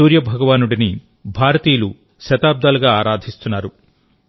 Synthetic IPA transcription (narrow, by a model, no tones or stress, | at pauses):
uːɾjɐbʱɐɡɐʋaːnuɽini | bʱaːɾɐt̪iːɐlu | ʃɐt̪aːb̚d̪aːluɡaːaːɾaːd̪ʱist̪unːaːɾu